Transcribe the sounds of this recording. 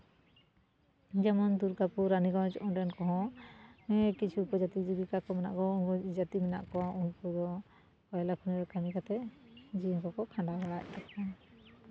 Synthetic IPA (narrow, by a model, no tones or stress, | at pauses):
d͡ʒamɔnd̪uɾɡapuɾːaniɡawd͡ʒɔ̰ʔɔnɖɛnkɔɦɔ̃ | ɛkit͡ʃʰiːpɔd͡ʒat̪id͡ʒibikakɔmɛna̰ʔkɔnɡɔd͡ʒat̪imɛna̰ʔkɔwaunpud̪ɔ | kɔjlakʰuniɾɛkamikat̪ɛ | d͡ʒikɔkɔkʰãɳɖaɾaɽac̚t̪ʰaka